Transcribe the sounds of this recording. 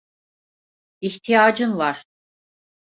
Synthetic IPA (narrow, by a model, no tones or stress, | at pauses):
içt̪ʰijaːd͡ʒɯnvaɾ̥